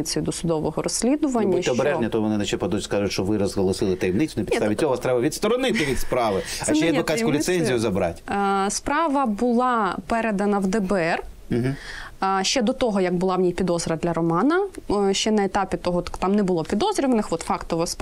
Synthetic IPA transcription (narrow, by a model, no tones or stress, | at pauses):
ɪt͡sʲijʊd̪ɔsʊd̪ɔʋɔɦɔɾɔsʲːlʲid̪ʊʋɐnʲːɐɔbeɾɛʒnʲɐt̪ɔɔʋɔnɪnɐʃt͡ʃɛpɐd̪uzʲskɑʒʊtʲʃt͡ʃɔʋɪɾɔzɦɐlˠɔsɪlˠɪt̪ɐjimnɪtt͡sʲʊnɪpʲt̪aʋʲɪt̪̚ʲːɔʋast̪ɾɛbɐʋʲid̪st̪ɔɾɔnɪt̪ɪʋʲid̪spɾɑʋɪɐʃt͡ʃɛjɛɐkasskʊlʲɪtsɛnʲzʲijʊzɐbɾɑ̰tʲspɾɑʋɐbʊlˠɑpɛɾed̪ɐnɐwd̪ɛbɛɛr̩ | ɦ̩ | ʃt͡ʃɛd̪ɔt̪ɔɦɔjɐɡ̚bʊlˠɑwnʲijpʲid̪ɔzɾɐd̪lʲɐɾɔmɑnɐʃt͡ʃɛnɐet̪ɑpʲit̪ɔɦɔt̪t̪ɑmnɛbʊlˠɔpʲid̪ɔzɾʲɪʋɐnɪxʋɔt̪fɑkt̪ɔʋɔsp